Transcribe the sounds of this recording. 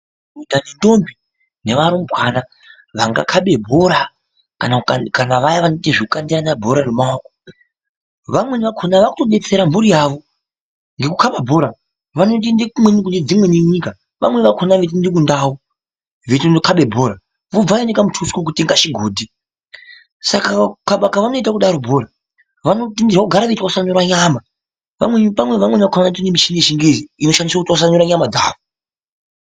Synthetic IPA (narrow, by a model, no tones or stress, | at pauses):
udanendo̞mbi | ne̞ʋaɾom̩bʱwana | ʋaŋɡa̰kʰaɓe̞bʱo̞ɾa | kankanaʋajaʋanotiʐikukandiɾanabʱo̞ɾaremaako̥ | ʋamwe̞nʋakʰonaʋakuto̞ɓe̞t͡se̞ɾambuɾijaːʋo̞ | ŋɡekukaɓabʱo̞ɾa | ʋano̞t̬indikumwenikuned͡zimwe̞neɲika | ʋa̰mwe̞ʋakʰonaʋet̬indik̬undaːwo | ʋetndokʰaɓe̞bʱo̞ːɾa | ʋob͡vajinekamutʰuskok̬uteŋɡaʃiɡʱoːdʱi | sakakaɓakaʋano̞it̬akuɗaɾobʱo̞ːɾa | ʋanotindirwakuɡʱaɾaʋetwausaɲuɾwaɲaːma | ʋa̰mwepamweʋamwenʋakʰonaetinemiʃiŋɡeʃiŋɡeziino̞ʃandiswakutwaus̬aɲuɾaɲamad͡za̰ːʋo